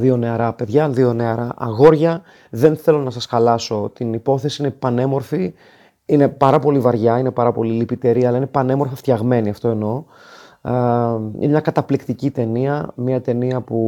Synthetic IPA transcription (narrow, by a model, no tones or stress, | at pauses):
ðio̞ne̞ɐɾɐpe̞ðʝɐðio̞ne̞ɐɾɐʔɐ̰ɣo̞ɾʝɐ | ðe̞nθe̞lo̞nɐsɐsxɐlɐso̞t̪inipo̞θe̞siinepɐne̞mo̞ɾfi | ine̞pɐɾɐpo̞livɐɾʝɐine̞pɐɾɐpo̞lilipit̪e̞ɾiɐlɐine̞pɐne̞mo̞ɾfɐft̪çɐɣme̞niɐft̪o̞e̞no̞ | ḭnemɲɐkɐt̪ɐplikt̪icit̪e̞niɐmɐt̪e̞niɐpu